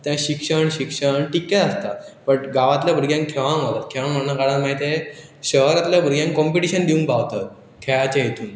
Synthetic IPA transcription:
t̪jãɕikʂəɳɕikʂəɳʈikːaəst̪apəɳɡaʋat̪labʱəɾɡjãŋkkʰeʋãŋat̪at̪̚kʰeʋãŋm̤ənːakaɽãmaɦit̪e | ɕəɦɾat̪ljabʱəɾɡjãŋkkɔmpiʈiɕənd̪iũŋkpaʋt̪at̪̚ | kʰeɭat͡ɕãjet̪ʰuːn

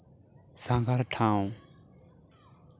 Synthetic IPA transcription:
sãŋɡaɾʈʰãːũ

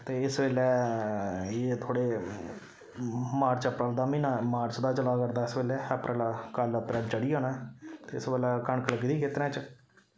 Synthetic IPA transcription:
t̪eːɪsʋeːlɛː | eːt̪ʰoːɽeː | maːɾt͡ʃəpɾəld̪aːmiːnaːmaːɾt͡ʃd̪aːt͡ʃəlaːkəɾd̪aːɪsʋeːlɛːəpɾəlakaːlpɾɛːɖt͡ʃəɽiːaːnãɛt̪eːɪsʋeːlɛːkəɳkələkd̪iːkʰeːt̪ɾɛ̃ːt͡ʃ

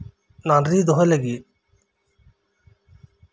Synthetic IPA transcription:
nanɾid̪oɦeleɡi

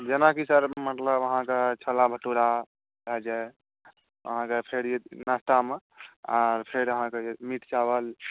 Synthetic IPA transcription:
d͡ʒenakisəɾmət̪ləbəɦãket͡ʃʰəlabʱəʈuɾa | bʱɛd͡ʒa | ə̰ɦãkepʰeɾenast̪ameaɾpʰeɾəɦãkemiʈt͡ʃabəl

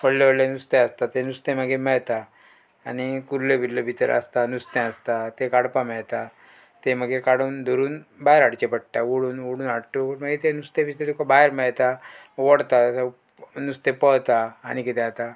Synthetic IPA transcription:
pəɽleʋəɽlẽnust̪ẽəst̪at̪ẽnust̪ẽməɡemɛɭt̪aː | nikuɾlebʱilləbʱit̪əɾə̰st̪anust̪ɛ̃əst̪at̪ekaɽpamɛɭt̪a | t̪eməɡekaɽond̪ʱɔɾuːnbajɾaɽt͡ɕepəɽ̚ʈ̪aʋoɽuːnʋoɽuːnaɽʈoməɡet̪enust̪ẽbist̪et̪ukabajɾmɛɭt̪a | ʋɔɽt̪asa | nust̪epəɭt̪aːñikit̪ɛ̃at̪a

